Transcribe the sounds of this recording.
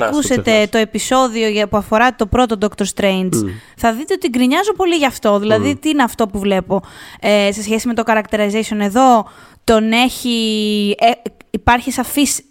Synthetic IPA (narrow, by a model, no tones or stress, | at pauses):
kuset̪e̞t̪o̞e̞piso̞ðio̞ʝɐpuɐfo̞ɾɐt̪o̞pɾo̞t̪o̞d̪o̞kt̪oɾst̪ɾejnz | θɐðit̪e̞ot̪iɡɾiɲɐzopo̞liʝɐːft̪o̞ðilɐðit̪iineɐft̪o̞puvle̞po̞ese̞sçe̞sime̞t̪o̞kɐɾɐk̚t̪eɾɐzesione̞ðo̞ | t̪o̞ne̞çieːpɐɾçisɐfis